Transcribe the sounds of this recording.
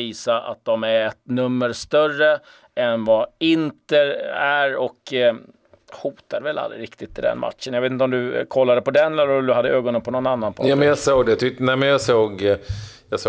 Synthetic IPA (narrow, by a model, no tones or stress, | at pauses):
iːsaʔa̰t̪̚d̪ɔmæɛt̪nɵmːəɾst̪œrə | ɛnvaɪnt̪əæɾɔk | huːt̪ad̪əvɛla̰lɾɪ̰ɾɪkt̪ɪt̪ʰːɪd̪ɛ̰nma̰t̪ʂənjaveːt̪ɪt̪ɔmd̪ɵkʰɔlːad̪əpɔd̪ɛnlɛlːd̪ɵɦad̪ːəøːɡɔnənpʰɔnɔnanːanpʰɔamɛnjasoːɡd̪ɛjt̪ʰʏnɛmɛnjɑsoːɡjɑs